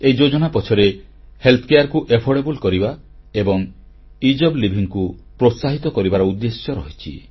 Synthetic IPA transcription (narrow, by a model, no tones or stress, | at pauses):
ejd͡ʒod͡ʒɔnapɔt͡ʃʰɔɾe | helt̪ʰɔ̥kejaɾkuʔepʰɔɽebulkɔɾiba | ebɔŋ | id͡ʒɔblibʱiŋkupɾot̪saɦit̪ɔkɔɾibaɾɔud̪ːesjɔɾɔɦit͡ʃʰḭ